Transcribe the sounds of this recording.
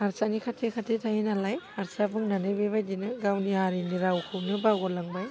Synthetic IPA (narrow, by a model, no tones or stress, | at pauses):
aɾsanikʰatʰekʰatʰetʰajinalajaɾsabɯŋnanɯjbebajdinɯɡawniaɾiniɾawkʰɯwnɯbawɡɔlaŋba